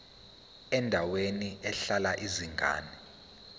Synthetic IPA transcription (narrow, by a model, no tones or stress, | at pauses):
ɛndʱaweniɛɬalaʔiziŋʱa̰ːnɛ